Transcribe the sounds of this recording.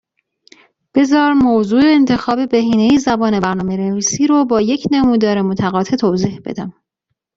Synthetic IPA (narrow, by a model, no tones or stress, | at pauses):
b̥e̞zɒːɾmozuːeːnt̪ʰe̞xɒːbe̞beɦiːne̞jizæbɒːne̞bæɾnɒːmeɾeviːsiːɾobɒːje̞cʰnemuːd̪ɒːɾemot̪ʰæɣɒːt̪ʰe̞t̪ʰoːziːhb̥e̞̰d̪æm